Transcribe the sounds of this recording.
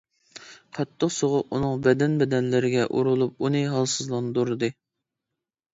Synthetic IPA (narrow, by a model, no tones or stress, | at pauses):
qʰɑt̪ʰːəqsoʁʊqunɨŋbɛd̪ɛnbɛd̪ɛnlɪɾɪɡʲɛʔuɾulˠup̚unɨɦɑlˠsɨzlˠɑnd̪uɾɨd̪ɨ